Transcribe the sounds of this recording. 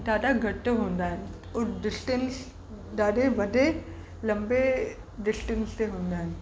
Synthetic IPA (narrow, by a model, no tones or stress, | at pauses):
d̪aːdaɡʱɐʈɦõːnd̪aɦɛ | ʊɾɖɪsʈens | d̪aːɖeʋɐɖʱe | lɐ̃mbe | ɖɪsʈə̃nst̪eɦõːnd̪aːɦɛn